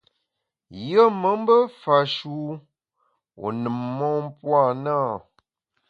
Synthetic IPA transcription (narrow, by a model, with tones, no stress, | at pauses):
jə˦mə˨˦m˦bə˦fa˨ʃu˦ | o̰˨nɨ˨mːɔ˦m˦pwa˦˨naː˦˨